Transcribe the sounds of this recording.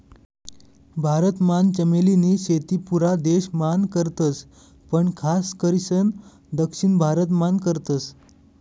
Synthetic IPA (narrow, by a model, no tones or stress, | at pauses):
bʱaɾət̪mant͡ɕəmeliniːɕet̪iːpuɾad̪eɕmankəɾt̪ət͡s | pəɳkʰaskəɾisən | d̪əkʂiːɳbʱaɾət̪mankəɾt̪ət͡s